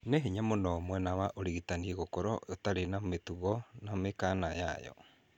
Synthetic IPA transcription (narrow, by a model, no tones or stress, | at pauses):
neɦeɲamonɔmwɛnawaʔoɾiɣitanieɣokoɾɔotaɾenametuɣɔnamekanaja̰jɔ̰